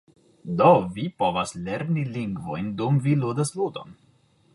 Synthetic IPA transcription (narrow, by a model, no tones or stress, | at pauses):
d̪ovipo̞vasleɾniliŋɡvo̞̰jndumviludaslud̪o̰n